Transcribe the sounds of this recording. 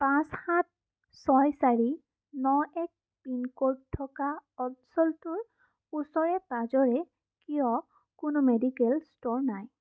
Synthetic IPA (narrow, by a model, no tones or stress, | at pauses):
pãshat̚ | sɔjsaɹi | nɔɛk̚ | pinkoɹtʰːɔkaɔdsɔltʊɹ | usɔɹɛpazɔɹɛ | kijɔ | kʊnʊmedikɛlstoɹnaj